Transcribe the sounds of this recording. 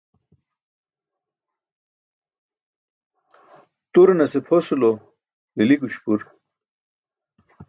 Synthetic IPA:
t̪uɾenɐsepʰhosulo | lilikuɕpuɾ

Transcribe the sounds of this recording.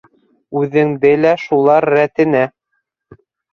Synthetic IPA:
ʉðɘ̆ŋd̪ɘlæʃulˠɑɾːæt̪ɘ̆næ

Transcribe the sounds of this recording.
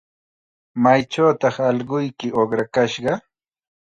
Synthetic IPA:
majt͡ʃawt̪ɑχɑʎɢʊjkɪʔoχɾakaʃɢɑ

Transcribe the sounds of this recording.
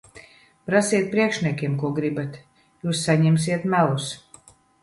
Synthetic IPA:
pɾasiɛt̪̚pɾiɛkʃniɛkʲiɛmkuɔɡɾibat̪ | juːsːaɲɛms̬iɛt̪mælˠus

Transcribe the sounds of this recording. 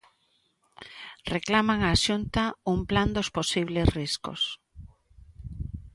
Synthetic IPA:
reklamaŋaːʃunt̪aumpland̪osposiβlesrisko̰s

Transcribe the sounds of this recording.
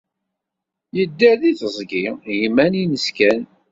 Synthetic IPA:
jəd̪ːəɾðiθəzˤɡijmːæninəskæn

